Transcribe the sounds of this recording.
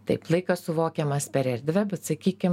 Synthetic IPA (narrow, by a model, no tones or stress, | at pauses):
t̪ɐɪplˠɐɪkɐsʊʋoːkʲemɐspʲɛɾɛɾʲd̪ʲʋʲɛbʲɛt̪sɐkʲiːkʲɪm